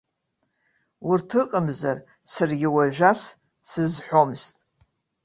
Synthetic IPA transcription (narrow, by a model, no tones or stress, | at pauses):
urtʰɨqʼəmzar | sɨrɡʲɪwaʒᶣas | sɨzħʷomztʼ